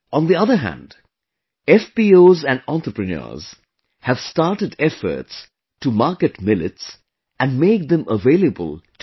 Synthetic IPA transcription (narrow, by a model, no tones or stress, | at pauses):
ɔ̃nd̪iʌðəɦæ̰̃nd | ɛfbioːzæ̃nɖɑ̃nt̪ɾəpɹɨnə̰ːz̥ | hæv̥staɾʈɨdɛfə̰ɾts | umaɹkɨʈmɪlɪ̰ts | æ̃nmeɪk̚d̪ə̃mʔəveɪləbə̰lˠt